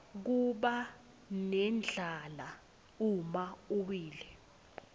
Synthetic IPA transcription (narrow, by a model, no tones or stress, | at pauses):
k̬uɓa | nɛnd͡ɮʱala | umauwiːlɛ